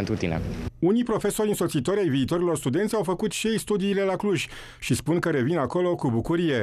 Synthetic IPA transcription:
nt̪ɾut̪inḛunijpɾo̞fe̞so̞ɾʲɨnso̞t̪sit̪o̞ɾʲajviːt̪o̞ɾilo̞rst̪ud̪e̞nt̪sʲawfəkut̪ʃejst̪ud̪iːle̞lakluʒʲ | ʃispunkəɾe̞vinako̞lo̞kubukuɾije̞

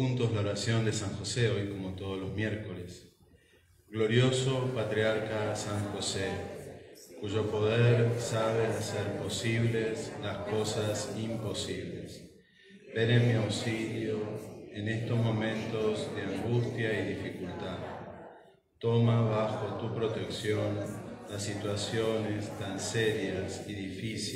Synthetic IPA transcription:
unt̪ozlaoɾasjo̞nd̪e̞saŋxo̞seo̞jko̞mo̞t̪o̞ð̞ozlo̞zmjeɾko̞les | ɡlo̞ɾjo̞so̞pat̪ɾiaɾkasaŋxose | kuʒo̞po̞ðeɾsaβ̞easeɾpo̞siβleslasko̞sasimpo̞siβlḛs | b̥enemiawsiljoenest̪ozmo̞mẽnt̪o̞zðeaŋɡust̪jaiðifikult̪að | t̪o̞maβaxo̞t̪upɾo̞t̪eksjo̞nlasːit̪wasjonest̪anseɾjasiðifis

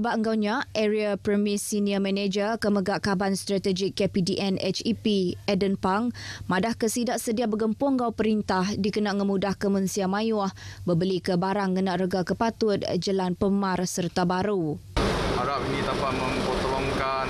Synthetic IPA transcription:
əbaʔəŋɡawɲãʔɛɾiapɾəmisiniəmɛ̃ned͡ʒəkəməɡaʔkabanst̪ɾat̪əd͡ʒɪkːepidiʔɛnɛ̰t͡ʃipiɛdənpaŋmãdahkəsidaʔsədiabəɡəmpɔŋɡawpəɾint̪ahdikənaʔŋəmudahkəmənsiamãjʊahbəbəlikəbaɾaŋːənaʔrəɡakəpat̪ʊt̪̚d͡ʒəlanpəmarsərt̪abaɾu | aɾap̚inĩt̪apaʔ̚məmpot̪əlɔŋkan

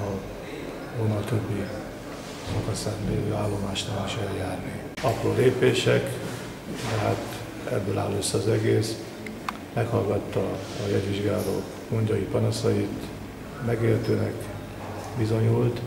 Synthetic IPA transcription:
ɒ | vonːɒt̪øbːi | sɒkɒsaːt̪nø̰ːøaːlːo̞maːʃt̪ɛmiʃɛljaːrni | ɒproːleːpeːʃɛk | d̪ɛɦa̰t̪ | ɛ̰bːøːla̰ːlːøsːɒzɛɡeːs | mɛkhɒlɡɒt̪ːɒːjɛɟʋiʒɡaːlo̰ːk | koɲɟɒjipɒnɒsɒjit̪ | mɛɡeːrt̪øːnɛk | bizo̞ɲult̪

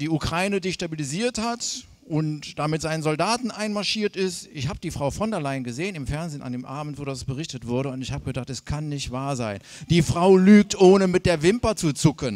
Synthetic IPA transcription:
d̥iːukʁ̥aɪnədeːʃtabiliziːɐthat | ʔʊntd̥amɪtz̥aɪnənzɔldaːtn̩ʔaɪnmaɐʃiːɐtɪstʔɪçhaːbəd̥iːfʁ̥aʊfɔndɛɐlaɪnɡəzeːənɪmfɛɐnzeːnʔa̰ndeːmʔaːbm̩tv̥oːdasb̥əʁɪçtətv̥ʊɐɾəʊntɪçhaːbəɡədaχtɛskʰanːɪçtv̥aːɐza̰ɪn | d̥iːfʁ̥aʊlyːk̚tʔoːnəmɪt̚d̥eːɐvɪmpɐt͡sut͡sʊkən

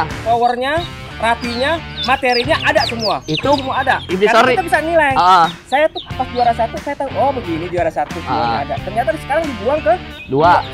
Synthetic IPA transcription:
sowərɲa | rafiɲamat̪eɾiɲaʔadaʔsəmuait̪usəmuaːdaʔidiaat̪abisanilajəsajat̪ʊhapasduaɾasat̪usajat̪aɦuŋɔbəɡiniduaɾasat̪usəmaaadaʔt̪ərɲat̪asə̥kaɾaŋdibuaŋkədua

